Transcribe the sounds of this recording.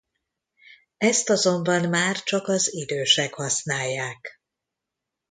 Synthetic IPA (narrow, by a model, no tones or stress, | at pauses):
ɛst̪ɒzo̞mbɒnmaːrt͡ʃɒkɒzid̪øːʃɛkhɒsnaːjːaːk